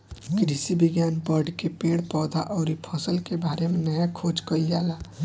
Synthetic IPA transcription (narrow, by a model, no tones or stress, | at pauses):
kɾisibɪɡjaːnbəɾɖkepẽːɽpɔːd̪ʱa̰ʔɔːɾipʰɔsəlkebaːɾemẽnəjakʰoːd͡ʒkəiaːlaː